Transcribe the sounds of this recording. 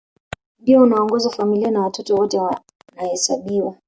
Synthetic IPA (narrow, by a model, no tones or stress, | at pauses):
biɔunaɔŋɡɔzafamilianawatɔtɔwɔtɛ | nahɛsaɓiwa